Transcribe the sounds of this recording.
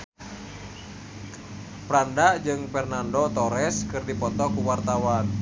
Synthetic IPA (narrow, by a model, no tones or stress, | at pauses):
pɾandaʔd͡ʒɨŋfɛrnandot̪ɔɾɛskɨrdipɔt̪ɔkuwart̪awan